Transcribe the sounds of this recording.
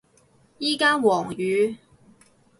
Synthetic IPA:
jiː˥kaː˥nwɔː˨˩ŋjyː˨˥

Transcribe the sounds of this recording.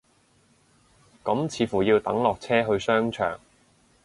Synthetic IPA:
kɐ˨˥mt͡sʰiː˨˥fuː˨˩jiː˧wt̪ɐ̰˨˥ŋlɔː˨k̚t͡sʰɛː˥ɦɵ˧ɥsœː˥ŋt͡ʃʰœ̰ː˨˩ŋ

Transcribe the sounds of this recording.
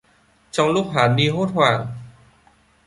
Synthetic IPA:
t͡ɕɔ˧ŋluː˥˩k̚ɦaː˨˩˦nmiː˧ɦoː˥˩t̪̚ʰwaː˨˩ŋ

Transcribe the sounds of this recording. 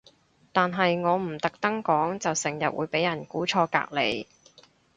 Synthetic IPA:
t̪aː˨nɦɐ˨jŋɔː˨˧m̩˨˩t̪ɐ˨k̚t̪ɐ˥ŋkɔː˨˥ŋt͡sɐ˨wsɪ˨˩ŋjɐ˨t̚wṵː˨˧jpe˨˥jɐ˨˩nkuː˨˥t͡ʃʰɔː˧ka̰ː˧k̚lḛ˨˧j

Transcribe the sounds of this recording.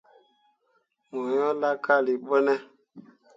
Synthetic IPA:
mɔ˨jɔ˦la˦ka˦˨li˨ɓə˦nɛ˦

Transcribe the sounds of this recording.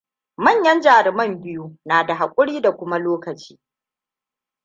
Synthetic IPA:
mɐ˦˨ɲjɐ˦nd͡ʒaː˨ɾɪ˨mɐ˦mbɪ˦ju˦naː˨da˨ɦa˨kʷʼʊ˦ɽiː˦da˨kʷʊ˦ma˦loː˦kɐ˨t͡ʃi̥ː˦

